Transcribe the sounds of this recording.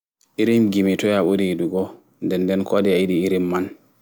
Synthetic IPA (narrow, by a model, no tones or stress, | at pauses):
ʔiɾimɡimitɔjaɓodiiduɡɔ | ndɛndɛnkɔdiaiɗiiɾimːan